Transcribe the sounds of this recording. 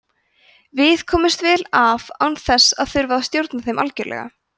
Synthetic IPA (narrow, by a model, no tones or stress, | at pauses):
vɪðkʰɔːmɪst̪vɛːlavawnθɛsːaðθʏɾvaðast̪jowɾt̪naθejmʔa̰lcɛɾlʔɛ̰ɣa̰